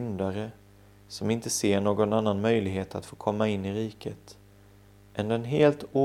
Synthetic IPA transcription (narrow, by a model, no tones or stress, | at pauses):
nd̪aɾə | sɔmɪnt̪əseːɳoːɡɔnanːanmœjlɪɡɦeːt̪ʰa̰t̪foːkʰɔmːaɪnːɪɾiːkʰət̪ | ʔɛnd̪ɛnɦeːlt̪uː